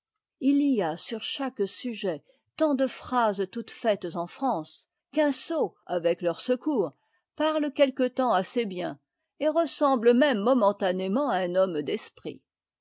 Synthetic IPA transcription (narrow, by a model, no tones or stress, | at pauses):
iliasyʁʃaksyʒɛ | t̪ɑ̃d̪əfχazt̪ut̪fɛt̪zɑ̃fχɑ̃s | kɛ̃soavɛklœʁsəkuːʁ | paʁlkʲɛlkət̪ɑ̃asebjɛ̃ | eʁəsɑ̃blmɛmːɔmɑ̃t̪anemɑ̃aɛ̃nɔmd̪ɛspχḭ